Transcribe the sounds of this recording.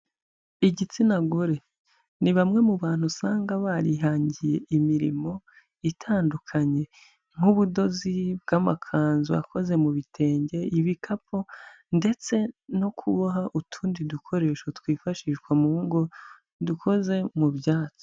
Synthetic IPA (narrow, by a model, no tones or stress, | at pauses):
iɟit͡sinaɡoɾe̞ | niβamŋe̞muβaːn̥husaːŋɡaβaɾiɦaːɲɟije̞̰ʔimiɾḭmo̞ | itʰaːndukʰaɲe̞ | ŋ̥uβudo̞zib̚ɡamakʰaːnzua̰kʰo̞ze̞muβitʰe̞ːɲɟe̞iβikʰapo̞ | nde̞t͡se̞no̞kʰuβaɦaʔutʰuːndidukʰo̞ɾe̞ːʃotwiːfaʃiːʃkwamuβuŋɡo̞ | dukʰo̞ze̞mubjaːt͡so